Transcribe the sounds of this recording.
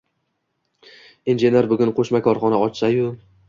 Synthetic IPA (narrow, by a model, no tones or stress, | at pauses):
inʒe̞ne̞ɾbʊɡʲʊnqʰoʃmakʰɒɾχɒnaɒt͡ʃsajʊ